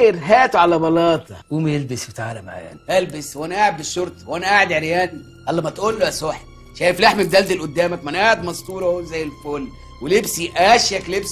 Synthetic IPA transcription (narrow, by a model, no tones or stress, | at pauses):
ɾɦæːt̪uʕalæbɑlɑːt̪ˤɑ̰wumæjelbɪsbet̪aːʕlæmaʕa̰jæ̰nʔælbeswænæʔaːʕed̪̚bɪʃːoɾˤt̪ˤɑ̥wʔænæʔaːʕed̪ʕeɾjæːni | ʔælːɑmæt̪ʔuːlːoʔæsoħ | ʃæːjeflaħmæb̚d̪æld̪elʔʊd̪ːæːmækmænʔaʕed̪mɑst̪uːɾˤɑozæjːelfoːlː | welebsiʔæʃjæklebs